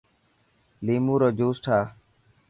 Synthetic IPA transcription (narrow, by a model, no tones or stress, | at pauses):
liːmuːɾoːd͡ʒoːsʈʰaː